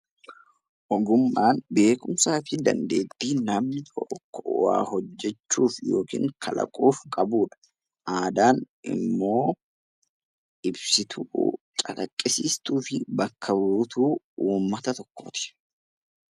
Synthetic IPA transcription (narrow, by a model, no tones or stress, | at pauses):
ʔɔɡʊmːaːnbe̞ːkʊmsaːfɪd̪ɐ̰nd̪e̞ːt̪ːiːnɐmnɪt̪ɔkːɔwa̰ːhɔd͡ʒːɛt͡ʃːuːfjo̞ːkḭːŋkʰɐlɐ̰kʼuːfkʼɐbuːᶑɐ̥ | ʔaːd̪aːnʔɪ̰mːo̞ː | ʔɪbsɪt̪ʰʊ̰ː | t͡ʃʼɐkɐkʼːɪsiːst̪uːfɪbɐkʰːɐbɾuːt̪uː | uːmːɐt̪ɐt̪ɔkːoːt̪ɪ̥